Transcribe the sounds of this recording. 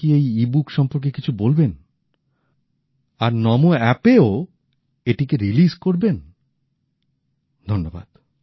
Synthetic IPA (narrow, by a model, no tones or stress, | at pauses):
iejibukʃɔmpoɾk̬ekit͡ɕʰubolben | aɾnɔmoɛpeo | eʈikeɾilizkoɾben | d̪ʱonːoba̰d̪̥